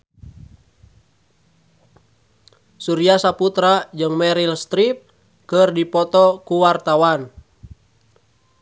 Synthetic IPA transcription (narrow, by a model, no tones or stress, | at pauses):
suɾiasaput̪ɾad͡ʒɨŋmɛɾilst̪ɾip̚ | kərdipɔt̪ɔkuwart̪awan